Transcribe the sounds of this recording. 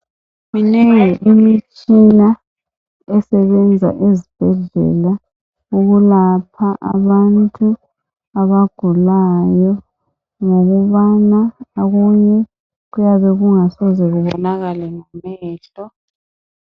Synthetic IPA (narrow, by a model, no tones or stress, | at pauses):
minɛʔimit͡ʃʼina | ɛsɛβɛnd͡zʱa̰ʔezib̥ʱɛɮɛ̰la | uɣulapʰaʔa̰βantʼu | aβaɡ̥ʱulajɔ | ŋoɣuβanaaɣuɲɛ | ɣujaβɛɣuŋasɔzɛɣuβɔnaɣalɛŋamɛːɬɔ